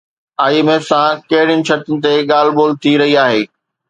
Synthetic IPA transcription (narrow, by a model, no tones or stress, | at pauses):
aːjimeːsãkɐɦɪɽijənɪ̆t͡ɕʰɐʈənɪ̆t̪̬eɠaːl̤boːlt̪ʰiɾɐɦiaːɦeː